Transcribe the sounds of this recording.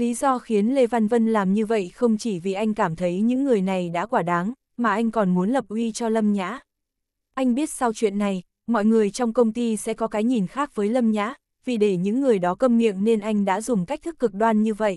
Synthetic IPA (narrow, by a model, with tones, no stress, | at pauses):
li˨˦zɔ˧xi˨˦ənle˧va˧nvə˧nlaː˨˩mɲɨ˧və̰˧˨jxə˧wŋ͡mt͡ɕi˧˩vi˨˩ʔa˧jŋ̟kaː˧˩mt̪ʰə˨˦jɲɨ̰˧˥ŋːɨ˨˩əjna˨˩jɗa̰ː˧˥kwaː˧˩ɗaː˨˦ŋ | maː˨˩ʔa˧jŋ̟kɔ˨˩nmu˨˦ənlə˨˩p̚ʔwi˧t͡ɕɔ˧lə˧mɲa̰ː˧˥ | ʔa˧jŋ̟ɓi˦˥ət̚sa˧wt͡ɕwḭ˧˨ənːa˨˩j | mɔ̰˧˨jŋɨ˨˩əjt͡ɕɔ˧wŋ͡mkə˧wŋ͡mt̪i˧sɛ̰˧˥kɔ˨˦kaː˨˦jɲi˨˩nxaː˦˥k̚vəː˨˦jlə˧mɲa̰ː˧˥ | vi˨˩ɗe˧˩ɲɨ̰˧˥ŋːɨ˨˩əjɗɔ˨˦kə˧mmḭ˧˨əŋne˧nʔa˧jŋ̟ɗa̰ː˧˥zʊ˨˩ŋ͡mka˦˥k̚t̪ʰɨ˦˥k̚ːɨ˨˩k̚ɗwaː˧nɲɨ˧və̰˧˨jʔ